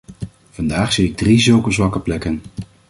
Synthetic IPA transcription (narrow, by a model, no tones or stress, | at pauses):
v̥ɑndaːχsijɪɡ̚drizɵwkəzʋɑkəplɛkən